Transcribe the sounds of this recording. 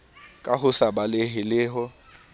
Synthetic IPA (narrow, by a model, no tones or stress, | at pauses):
kʼaɦʊsabalɪɦɪlɪːɦɔ